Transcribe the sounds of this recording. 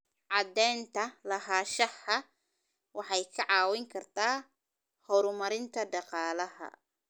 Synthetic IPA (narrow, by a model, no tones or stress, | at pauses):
ʕɑd̪ɛːnt̪ʰɐlɐɦaːʃɐhɐ | wɑħɑjkʰɐʕɑːwɪŋkʰɐrt̪ʰaː | hɔɾʊmɐɾɪnt̪ʰɐɖɑqɑːlɐɦɐ̰